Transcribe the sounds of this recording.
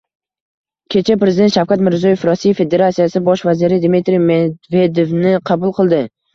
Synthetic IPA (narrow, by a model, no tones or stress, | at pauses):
kʲʰe̞t͡ʃʰapɾezɪd̪ent̪ʃawkʲat̪mɪɾzɒje̞fɾɒsijfːe̞d̪e̞ɾat̪sijasɪbɒʃvazɪɾɪd̪mit̪ɾimed̪ve̞d̪ovnɪqʰɑbʊlˠqʰɨlˠd̪ɪ